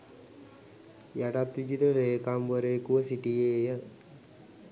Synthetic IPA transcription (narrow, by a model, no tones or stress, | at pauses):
jaʈat̪ʋid͡ʒit̪ɾəleːkamʋəɾeːkuʋəsiʈijeːjə